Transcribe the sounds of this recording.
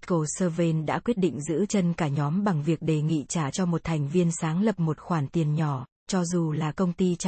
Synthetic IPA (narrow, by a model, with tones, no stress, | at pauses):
ko˧˩səː˧ve˧nɗa̰ː˧˥kwi˦˥ət̚ɗḭ˧˨ŋ̟zɨ̰˧˥t͡ɕə˧nkaː˧˩ɲɔ˨˦mɓa˨˩ŋvi˨˩ək̚ɗe˨˩ŋḭ˧˨t͡ɕaː˧˩t͡ɕɔ˧mo˨˩t̚t̪ʰɛ˨˩jŋ̟vi˧ənsaː˨˦ŋlə˨˩p̚mo˨˩t̚xwaː˧˩nt̪i˨˩ənɲɔ˧˩ | t͡ɕɔ˧zu˨˩laː˨˩kə˧wŋ͡mt̪i˧t͡ɕ